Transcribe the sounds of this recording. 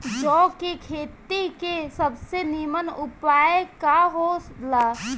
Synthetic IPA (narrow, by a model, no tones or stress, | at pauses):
d͡ʒɔːkekʰeːt̪ikesəbsenimənʊpaːjkaɦolaː